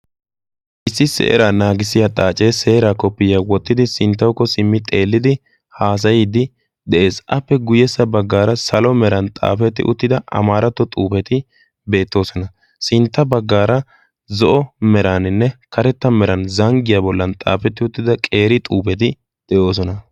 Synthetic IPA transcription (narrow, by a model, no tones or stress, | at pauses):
ʔɪsːɪsɛ̰ʔɛ̰ɾaːnaːɡɪsɪjat̪ʼaːt͡ʃʼeːse̞ːɾaːkɔpːɪjaːwɔt̪ːɪd̪ɪsɪnt̪ːɐwkːɔsɪmːɪt̪ʼe̞ːlːɪd̪ɪ | haːs̬ɐjɪd̪ɪ | d̪ɛʔe̞ːsʔɐpːɛɡʊjɛsːɐbɐɡːaːɾɐsɐlɔmɛɾɐnt̪ʼa̰ːfɛt̪ːɪ̰ʔʊt̪ːɪd̪ɐʔɐ̰maːɾɐt̪ːɔt̪ʼuːpɛt̪ɪ | be̞ːt̪ːo̞ːsɔnɐ | sɪnt̪ːɐbɐɡːaːɾɐ | zɔʔɔmɛɾaːnɪnːɛkɐɾɛt̪ːɐmɛɾɐnzɐŋɡɪjabɔlːɐnt̪ʼa̰ːfɛt̪ːɪʊt̪ːɪd̪ɐkʼe̞ːɾɪt̪ʼuːpɛt̪ɪ | d̪̥ɛjo̞ːs̬ɔnɐ